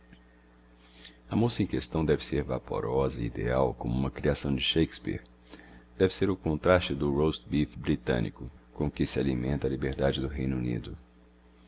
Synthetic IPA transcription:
ɐmosɐẽkest̪ɐ̃w̃d̪ɛvɪseɾva̰po̰ɾɔzɐid̪ḛa̰wkõmʊũmɐkɾiasɐ̃w̃d͡ʒɪʃejkspḭɾd̪̥ɛvɪseɾʊkõnt̪ɾast͡ʃɪd̪ʊɾowst̪bifbɾit̪ɐ̰̃nʔḭkʊkõkɪsɪalimẽnt̪ɐalibeɾd̪ad͡ʒɪd̪ʊɦej̃nunḭd̪ʊ

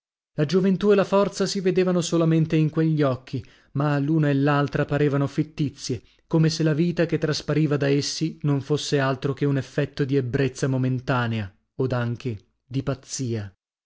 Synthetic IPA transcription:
lad͡ʒovent̪uelafɔrt̪sasived̪eːvanosolament̪eiŋkweʎːiɔkʰːi | maluːnaelːalt̪ɾapaɾeːvanofit̪ːit̪sːje | komeselaviːt̪aket̪ːɾaspaɾiːvad̪aesːinoɱfosːealt̪ɾok̟eunefːɛt̪ːod̪iebːɾet̪sːamoment̪aːnea | od̪aŋk̟e | d̪ipat̪sːiːa

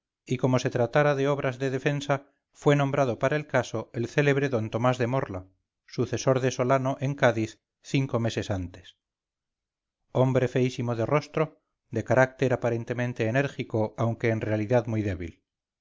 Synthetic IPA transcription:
iko̞mo̞se̞t̪ɾat̪aɾaðeo̞β̞ɾazðe̞ðe̞fe̞nsa | fwe̞nombɾað̞o̞paɾaelkaso̞elθe̞le̞β̞ɾe̞ðo̞nt̪o̞mazðe̞mo̞ɾla | suθe̞so̞ɾðe̞so̞lano̞ʔe̞ŋkaðiθ | θiŋko̞me̞se̞sant̪e̞̥s | o̞mbɾe̞fe̞isimoðero̞st̪ɾo̞ | ðe̞kaɾak̚t̪eɾapaɾe̞nt̪e̞mẽnt̪e̞ːne̞ɾxikoawŋke̞ːnrealiðaðmujðe̞βḭl

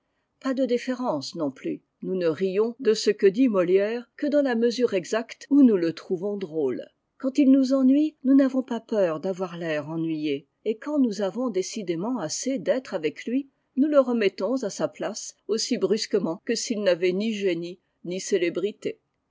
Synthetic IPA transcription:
pad̪əd̪ifeʁɑ̃snɔ̃ply | nunəʁijɔ̃d̪əsəkəd̪imɔljɛːʁkəd̪ɑ̃laməzyʁɛɡzakt̪unulət̪χuvɔ̃d̪ʁoːl | kɑ̃t̪ilnuzɑ̃nɥinunavɔ̃papœʁd̪avwaʁlɛʁɑ̃nɥije | ekɑ̃nuzavɔ̃d̪esid̪emɑ̃ased̪ɛt̪χavɛklɥi | nuləʁəmɛt̪ɔ̃zasaplasosibʁyskəmɑ̃kəsilnavɛniʒeni | niselebʁit̪e

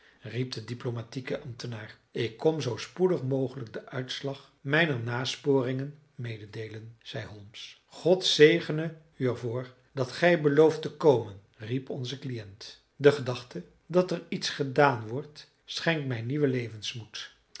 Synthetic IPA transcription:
rip̚dədiplomatikəʔɑmtənaːr | ɪkːɔmzowspudəχmowχələɡ̚dəʔœɥtslɑχ | mɛjnəɹnaːspʊːrɪŋən | mejdədejlənz̥ɛjɦɔlˠms | χɔtsejχənə | yɛɹvʊːɹ | dɑtχɛjbəlowftəkowmən | ripɔnzəklijɛnt | dəχədɑχtə | dɑtɛritsχədaːnʋɔɹt | sχɛŋkmɛjniʋəlejvənsmut

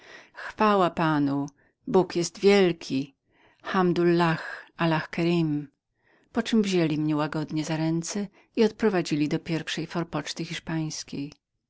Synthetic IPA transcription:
xfawapanu | bukjɛst̪vʲjɛlkʲʰi | xamd̪ulːaxalaxkɛɾim | pɔt͡ʂɘmvʑelʲimɲɛwaɡɔd̪ɲɛzaɾɛnt̪sɛ | iɔt̪̚pɾɔvad͡ʑilʲid̪ɔpʲjɛɾfʂɛjfɔɾpɔt͡ʂt̪ɘxʲiʂpaj̃skʲej

